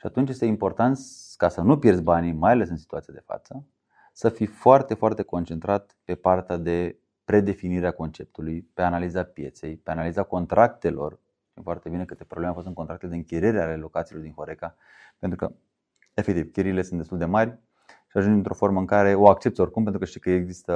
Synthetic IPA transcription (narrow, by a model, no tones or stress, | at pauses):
ʃiat̪unt͡ʃjest̪eimpo̞rt̪ant̪skasənupje̞rsʲbanimajale̞sɨnsi̥t̪uat̪sijad̪e̞fa̰t̪sə | səfifoart̪e̞foart̪e̞ko̞nt͡ʃe̞nt̪ɾat̪̚pe̞part̪ead̪e̞ | pɾe̞d̪e̞finiɾeako̞nt͡ʃe̞p̚t̪ulujpe̞analizapje̞t̪se̞jpe̞analizako̞nt̪ɾak̚t̪e̞lo̞̰r | t̪imfoart̪ebine̞kɨt̪e̞pɾoblemeafost̪ɨŋkonɾak̚t̪eled̪eɨŋkʲiɾeɾealelo̞kat̪silo̞rd̪inxo̞ɾeka | pe̞nt̪ɾukə̰ | e̞fek̚t̪iv̥kʲeɾile̞sɨnd̪est̪uld̪e̞marʲ | ʃiaʒund͡ʒɨnt̪ɾo̞fo̞rməɨŋkaɾe̞o̞ak̚t͡ʃe̞pt̪o̞rkumpent̪ɾukəʃt̪ikəeɡzist̪ə